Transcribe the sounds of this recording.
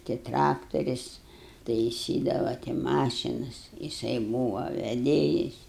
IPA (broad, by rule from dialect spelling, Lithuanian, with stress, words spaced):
tɐɪ ˈtrɑːktoːrʲɪs tɐɪˈsʲiːdɐʋɐ tɐɪ ˈmɑːʃʲɪnɐs jɪˈsɐɪ ˈbuːʋɐ ʋʲɛˈdʲeːjɪs